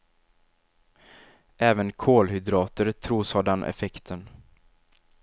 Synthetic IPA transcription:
ʔɛːvənkʰoːlɦʏd̪ɾɑːt̪əɾt̪ʰɾuːshaɖɛnʔɛ̰fɛkt̪ʰən

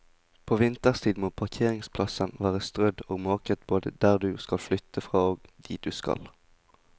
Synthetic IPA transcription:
pʰoːʋɪnt̪əʁst̪ʰiːd̪moːpʰɑʁkʰeːʁɪŋspʰlɑsənʋæːʁəst̪ʁœd̪oːɡmoːkət̪boːd̪ə̰d̪æːʁd̪ʉːskɑlflʏt̪ʰːəfʁɑːoːɡd̪̥ḭːd̪̥ʉːskɑ̰l

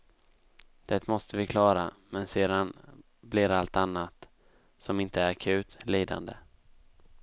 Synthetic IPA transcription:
d̪̥ɛt̪mɔst̪əvɪkʰlɑːɾa̰mɛnseːd̪an | blɪɾalt̪anːat̪ | sɔmɪnt̪əæɾakʰʉ̟ːt̪liːd̪a̰nd̪ə

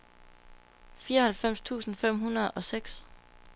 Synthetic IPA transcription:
fiːɒhælfem̰st͡sʰṵːsn̩fem̰ɦunɐð̞ˠɒ̽seɡ̥s

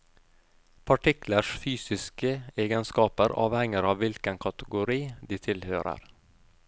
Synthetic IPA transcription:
pʰɑʈɪkləʂfyːsɪskəeːɡənskɑːpəɾɑ̰ːʋhɛŋəɾɑːʋʋɪlkənkʰɑt̪əɡʊɾiːd̪iːt̪ʰɪlhøːɾə̰ɾ

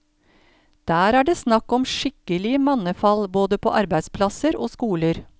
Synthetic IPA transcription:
d̪̥æːɾæːɖeːsnɑkːɔmʂɪkəlɪəmɑnəfɑlboːd̪əpʰo̰ːʔɑɾbæɪd̪spʰlɑsəɾʔo̰ːskuːləɾ

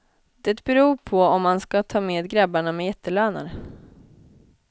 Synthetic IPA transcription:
d̪̥ɛt̪bɛɾuːɾpʰɔɔmːanskat̪ʰɑːmeːd̪ɡɾabːaɳamɛjɛt̪ʰːəlœːna̰ɾ

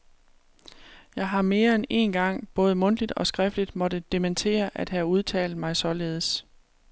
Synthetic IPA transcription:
jɑ̈ɪɦɑ̈me̝ːɐene̝̰nɡ̥ɑ̈ŋ̰b̥ɔ̽ːð̞̩ˠəmɔ̽n̰d̥lid̥ɒ̽sɡ̥ʁɛfd̥lid̥mɒ̽ɾ̥əd̥e̝ment͡sʰe̝̰ːɐʔæd̥ɦæuð̞ˠt͡sʰɛ̰ːld̩ˠmɑ̈ɪsɒ̽le̝ːð̞ˠs

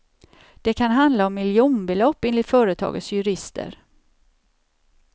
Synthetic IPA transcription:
d̪̥ɛkʰanɦand̪laɔmːɪljuːnbɛlɔpːɪnlɪt̪fœːɾət̪ʰɑ̰ːɡə̰t̪sjɵɾɪst̪ʰə̰ɾ

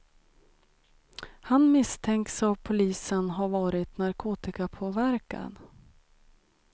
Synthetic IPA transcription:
hanmɪst̪ʰɛŋksapʰːʊliːsənɦaɾvɑːɾɪt̪naɾkʰoːt̪ɪkapʰoːvæɾka̰n

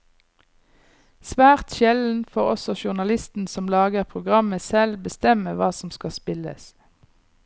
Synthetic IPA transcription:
sʋæːʁt̪ʃɛln̩fɔʁɔ̰sɔʃʊʁnɑlɪst̪n̩sɔmlɑːɡəʁpʰʁʊɡʁɑməsɛlbəst̪ɛməʋɑːsɔmskɑspɪlə̰s

